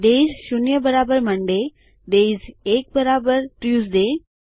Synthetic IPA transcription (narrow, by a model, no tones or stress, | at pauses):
d̪eizʃunjəbəɾabəɾməɳɖe | d̪ezeːk̚bəɾabəɾʈɾjuzd̪e